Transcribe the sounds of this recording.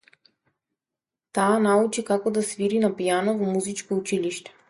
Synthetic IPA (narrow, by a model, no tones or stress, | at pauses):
t̪aːnaut͡ʃikakɔd̪asviɾinapijanɔvɔmuzit͡ʃkout͡ʃiliʃt̪ɛ̥